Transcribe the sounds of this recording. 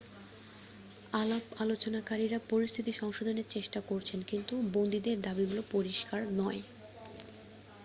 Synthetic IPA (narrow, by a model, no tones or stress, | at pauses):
alabalot͡ɕonakaɾiɾapoɾist̪ʰit̪iʃɔŋʃod̪ʱoneɾt͡ɕeʃʈakoɾt͡ɕʰenkint̪ubond̪id̪eɾd̪abiɡulopoɾiʃkaɾnɔe